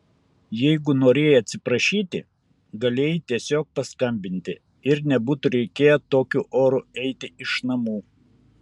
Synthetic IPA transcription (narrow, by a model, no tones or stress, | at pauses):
jɛɪɡʊnoːɾʲeːjɛɐt̪ʲsʲɪpɾɐʃʲiːt̪ʲɪ̰ | ɡɐlʲeːjɪt̪ʲiɛsʲoːk̚pɐskɐmʲbʲɪnʲt̪ʲɪ | ɪɾnʲɛbuːt̪ʊɾʲɛɪkʲeːjɛt̪oːkʲuːʔoːɾuɛɪt̪ʲɪɪʃnɐmuː